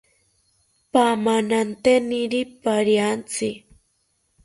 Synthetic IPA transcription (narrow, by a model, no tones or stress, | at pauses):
pamanant̪eniɾipaɾijant͡si